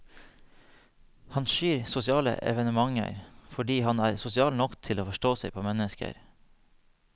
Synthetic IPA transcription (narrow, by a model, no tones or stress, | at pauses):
hɑnʃiːɾsʊsɪɑːlə̰ʔɛ̰ʋənəmɑŋə̰ɾfɔɖiːhɑnæːɾsʊsɪɑːlnɔkt̪ʰɪloːfɔʃʈoːsɛɪpʰoːmɛnəskə̰ɾ